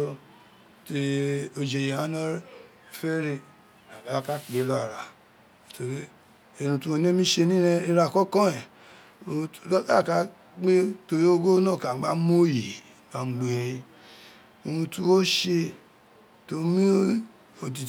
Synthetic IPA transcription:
te˧o˨˧d͡ʒe˨je˨ã˨˦nɔ˦˨ | fɛ˦ɾe˧ | a˨ba˨a˦ka˦˨k͡pe˨˦lɔ˦a˨ɾa˨ | to˨ɾe˦ | e˧ɾũ˧tu˦o˧ne˦mĩ˦ʃe˧nĩ˦ɾɛ˧i˧ɾa˧˨kɔ˦kɔ̃˦ɛ˨ | o˧˦lla˦˨ka˦ | k͡pe˦to˧ɾe˦o˦ɡo˦nãː˦˨ka˨ɡ͡ba˦mo˦ji˨ | ka˨˦˨ɡ͡be˨e˨˧i˧ | o˧ɾũ˧tu˦wo˦ʃe˧ | to˨˦mĩ˦ | o˨ti˨

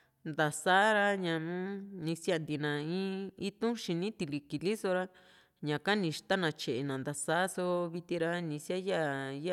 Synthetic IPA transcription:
nd̪a˨sa˦ɾa˧ɲã˨nũ˦nĩ˧sja˦˧nd̪i˧nã˨ĩ˦i˦t̪ũ˦ʃĩ˧nĩ˦t̪i˧li˧ki˨li˦so˧ɾa˧ | ɲã˨ka˦nĩ˧ʃt̪a˦nã˧t͡ʃe˨ʔe˨nã˨nd̪a˨sa˦so˧βi˧t̪i˧ɾa˧nĩ˧sja˦ja˦ja˦

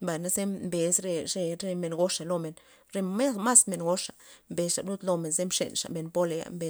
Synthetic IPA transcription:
mba˨jna˦ze˦mbe˨sɾe˧ɾe˧ɾe˧me˧nɡo˦ʂa˨lo˧me˨n | ɾe˧ma˦ma˦sme˧nɡo˦ʂa˨mbe˧sʂa˨blu˦t̪lo˧me˨nze˦mʂḛ˨nʂa̰˨me˨npo˦le˧a̰˨mbe˨

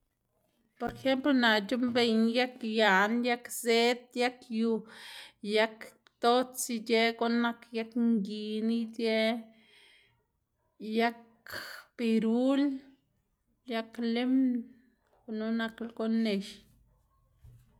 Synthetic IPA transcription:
po˨ɾe˨xe˦mplo˧na˨t͡ʃu˦mbe˧ɲja˦kja˨nja˦kze˦t̪ja˦kju˧ | ja˦k | t̪o˦t͡si˧d͡ʒe˦ɡo˦na˧kja˦kŋɡi˧˨ni˦d͡ʒe˦ | ja˦k | b̥i˧ɾu˦l | ja˦kle˦m | o˧no˧na˧klɡo˦ne˧ʃ

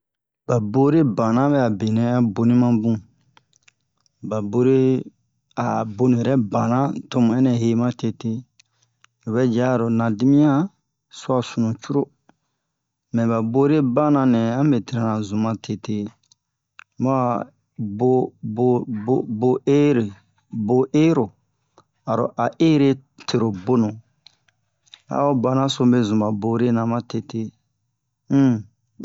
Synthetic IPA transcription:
ba˨bo˦ɾe˦bã˨nã˦bɛ˦˨a˨be˨nɛ̃˨ã˦bo˧nĩ˦mã˦bũ˦ | ba˨bo˧ɾe˦ | a˨bo˦nũ˨ɛ˨ɾɛ˦bã˨nã˦to˦mũ˨ɛ˦nɛ̃˨ɦe˦mã˦te˧te˦˨ | bɛ˦d͡ʒa˦˨ɾo˨nã˨di˦mĩ˦ã˦ | su˦a˨sũ˨nũ˨t͡ʃu˦ɾo˦ | mɛ̃˨ba˨bo˦ɾe˦ba˦nã˨nɛ̃˨ã˦be˨ti˨ɾa˦˨nã˨zũ˨mã˨tʰe˨te˦ | mo˦a˨ | bo˦bo˦o˦bo˦e˦ɾe˨ | bo˨ʔe˦ɾo˨ | a˨ɾo̰˨ʔa˨ʔe˦ɾe˦ | tʰe˨ɾo˨bo˦nõ˨ | a̰˨˦o˦ba˦nã˦so˦be˦zũ˨ba˨bo˨˦ɾe˦nã˨mã˦te˦te˦

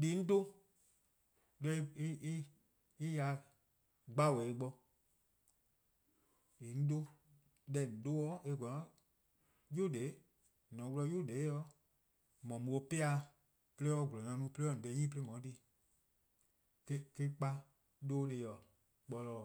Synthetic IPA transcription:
diː˨˦n̩˦do˦ | lɛ˧i˧i˦i˦ | i˦ja˧˦ | ɡ͡ba˦˨wɛ˨i˧ɡ͡bɔ˧ | i˨n̩˦do˦ | dɛ˧˨n̩˨do˦wɔː˦e˧˨ɡʷɔ˨ɔ̃˨˦ | jo˦˨de˨˦ | nɔ̃˨˦wu˧lɔ˧˦jo˦˨deː˨˦jɔ˧˦ | mɔ̃˨mu˨o˧˦pe˦a˧˦ | pe˦le˦ɔ˧˦˨ɡu˨lɔ˨ã˧˦nũ˧˦pe˦e˦ɔ˧˨dɛ˧˨˦ɲĩː˦pe˦e˦mɔ̃˨˦di˧˦ | ke˦ke˦k͡pa˦ | doː˦le˧jɔ˨ | k͡pɔ˧lɔː˨

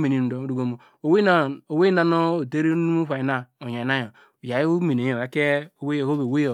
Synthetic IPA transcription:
me˨ni˨n̩˨do˨˦du˨ɡo˦mo˨ | o˨we˦n˨o˨we˦na˦˨no˦o˨te˦ɾi˦nu˦u˦wʷa˨i˨na˦o˨ɲ˨a˨na˦jo˨ | ja˨i˦o˦mi˨ne˨jo˨e˦ke˦o˨we˦jo˨ho˦be˨we˦jo˨

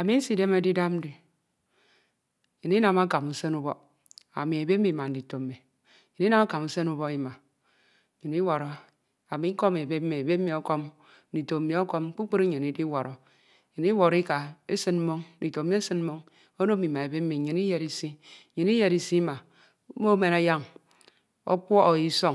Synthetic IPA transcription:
a˨mi˦n̩˦si˨de˦me˨˦di˦da˦m̩˦di˨ | ɲi˨ni˦na˨ma˦ka˨mu˨se˦nu˦bo˦ | a̰˨mi˨e˨be˦mːi˨ma˨n̩˨di˨to˨mːe˨ | ɲe˨ni˦na˦ma˦ka˨mu˦se˦nu˦bo˦i˦ma˨ | ɲi˨ni˦wo˨ɾo˨ | a˨mi˨˦ŋ˦ko˦me˨be˦mːe˨be˦mi˨o˦ko˦m̩˦ | di˨to˨mi˨o˦ko˦m˦k͡pu˦k͡pi˦ɾi˦ɲe˨ni˦di˦wo˨ɾo˨˦ | ɲi˨ni˦wo˨ɾi˦ka˨e˦sɨ˦nm̩˦mo˦ŋ̩˦di˨to˨mi˦e˦sɨ˦n̩˦mo˦ŋ | o˦no˦mi˨ma˨e˨be˦mː˦i˨ɲi˨n˦i˦je˨ɾi˨si˦˨ɲi˨n˦i˦je˨ɾi˨si˦ma˨˦ | mo˦me˦na˦ja˦ŋ | o̰˦k͡pʷɔ˦ʔo˨ji˦so˦

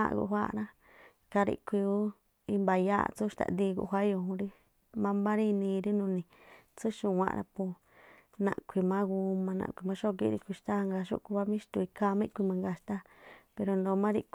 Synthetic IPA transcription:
a̰˦˧ɡṵ˧ɦʷa˦ɾa˧ | ka˧ɾḭ˧kʷi˧ju˦ | i˧mba˧ja̰˦˧t͡su˦˧ʃt̪a̰˨nd̪i˧ɡṵ˧˨˧ɦʷa˦jo˧hũ˧ɾi˦ | mã˧mbã˦ɾi˦˧nĩ˧ɾi˦nũ˧nĩ˧ | t͡su˦ʃũ˧˨wʷã̰˧˨˧ɾa̰˧pu˧ | nã̰˧˨kʷi˧mã˦ɡu˧mã˧nã̰˧kʷi˧mã˧ʃo˦˧kḭ˧˦˧ɾḭ˧kʷi˧ʃt̪a˦˧ŋɡa˧ʃṵ˦ku˧βa˦mĩ˦ʃt̪u˧i˧ka˦˧mã˦˧kʷi˧mã˧ŋɡa˧˨ʃt̪a˦ | pe˧ɾo˧nd̪o˧mã˦ɾi˧k

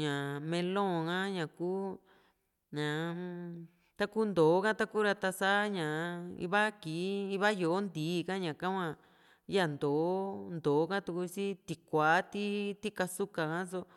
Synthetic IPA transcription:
ɲã˨mẽ˧lõ˦˨kã˦ɲã˨kuː˦ | ɲã˨ | t̪a˦ku˦nd̪o˨˦kã˦t̪a˦ku˦ɾa˧t̪a˧sa˦ɲã˨ḭ˧βa˦ki˨˦i˧βa˦jo˨˦nd̪iː˨˦˧kã˦ɲã˨kã˦kʷã˧ | ja˦˨nd̪o˨˦nd̪oː˨˦kã˦t̪u˧ku˧si˦t̪i˧˨kʷa˨˦t̪i˦t̪i˦ka˧su˦ka˨kã˦s̬o˧˦

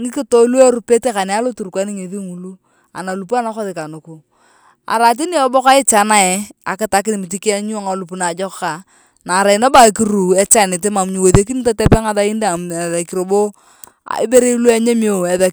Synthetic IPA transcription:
ŋɪ˦kɪ˦to˦lu˦e˦ɾu˦pe˦te˦ka˨nɛ˨a˦lo˦tu˨ɾkʷa˦nɪ˦ŋe˨ði˦ŋu˨lu˦ | a̰˨na˨lu˨pu˦a˦na˦kɔ˦ðɪ˨ka˨nʊ˨ku˨ | a̰˨ɾa˨t̬i˦ni˦ɔ˨˦bo˦ka˦ɪ˦t͡ʃa˨na˦ɛ˨a̰˨kɪ˦ta˨˦kɪ˦nɪ˨mɪ˨t̬i˦ki˦a˦ɲu˦a˨ŋa˨lu˨p̬u˨na˨d͡ʒɔ˦kka˨ | na˨ɾa˨i˨na˦ba˦˨ki˦ɾu˨ɛ˦t͡ʃa˦nɪ˨t̬e˦ma˨mɲi˨wo˨ðe˦k̬i˦ni˦ta˦tɛ˦pɛ˦ŋa˨ða˦i˦nda˦˨m˨ða˨ki˨ɾo˨bo˦ | a̰˨ɪ˦be˦ɾe˦lu˦a˦ɲe˦m˦o˦˨ɛ˨ða˨

